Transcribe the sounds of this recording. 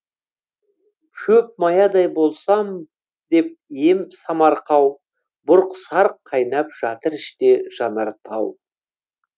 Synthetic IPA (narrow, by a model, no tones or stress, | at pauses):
kʲʰɵp̚mɑjɑd̪ɑjbo̞lˠsɑm | d̪e̞p̚jemsɑmɑɾqɑw | bʊɾqsɑɾqʰːɑjnɑp̚ʒ̥ɑt̪əɾɪʃt̪e̞ʒ̥ɑnɑɾt̪ʰɑ̰w